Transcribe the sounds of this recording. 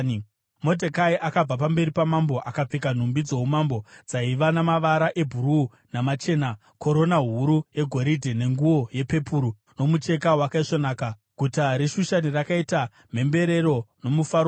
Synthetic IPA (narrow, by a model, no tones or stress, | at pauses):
mo̞dʱekaiʔakab͡vapambe̞ɾipamambo̞ʔakap͡fikan̤umbid͡zo̞ɦumambo̞d͡zaiʋanamaʋaɾaʔe̞bʱuɾuː | namat͡ʃe̞ːna | ko̞ɾo̞naɦuɾuje̞ɡʱo̞ɾidʱene̞ŋɡuwo̞je̞pe̞puɾu | no̞mut͡ʃe̞kawakaiʂonaːka | ɡ̥ʱutaɾeʃuʃanirakaita | m̤e̞mbe̞ɾe̞ɾono̞mufaɾo